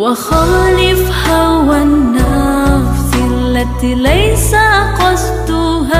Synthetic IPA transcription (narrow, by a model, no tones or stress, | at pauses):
waxaːlɪf | hawanːa | sɪʔalːat̪iːlajsaqɑsˤt̪ʊ | ɦaː